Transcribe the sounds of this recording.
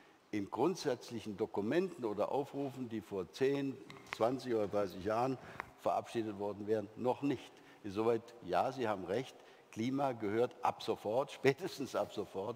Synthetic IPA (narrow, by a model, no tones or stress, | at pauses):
ʔɪnɡʁʊntz̥ɛt͡slɪçn̩dokumɛntn̩oːdɐʔa̰ʊfʁuːfn̩diːfoːɐt͡seːnt͡sv̥ant͡sɪçʔoːdɐdʁaɪsɪçjaːʁənfɛɐʔa̰pʃiːdətv̥ɔɐdn̩vɛːʁənːɔχnɪçt | ʔɪnzovaɪtjaːziːhaːbm̩ʁɛçt | kl̥iːmaːɡəhøːɐtʔa̰pz̥ofɔɐtʃpɛːtəstn̩sʔapz̥ofɔɐt